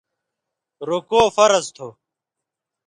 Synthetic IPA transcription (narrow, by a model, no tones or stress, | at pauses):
ɾokoːfɐɾɐzt̪ʰo